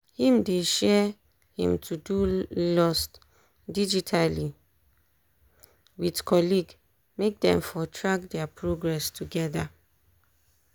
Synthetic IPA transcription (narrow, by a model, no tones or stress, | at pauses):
hĩmdeʃɛ | hḭ̃mtʰudulɔst | did͡ʒitʰali | widkʰɔliɡ | mek̚dɛ̰̃mfɔtʰɹak̚dɛapʰɹoɡɹɛstʰuɡɛda